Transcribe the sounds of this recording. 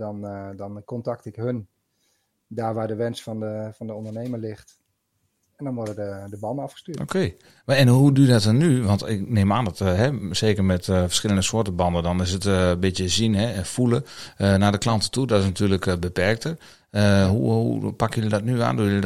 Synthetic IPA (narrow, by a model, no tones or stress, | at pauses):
dɔndɔnkɔntaktɪkɦøn | daːɹʋaːdəʋɛnsfɔndəfɔndəɔndərnejməlɪxt | ɛndɔnʋɔɹdədədəbɑndəɑfχə̥styːʔo̰kʰej | ʋɛnɦudyədɔtɔnːyʋɑntɪknemaːndɔtɦɛseːkərmɛtfə̥rsxɪlˠəndəsoətəbɑndədɔnɪs̬ətbɪtjəzinɦɛfuləənadəklɑntə̥tudɔtɪs̬natyːləkbəpɛrk̚tər | əɦṵɦṵpakjølidɔtnya̰ːndujl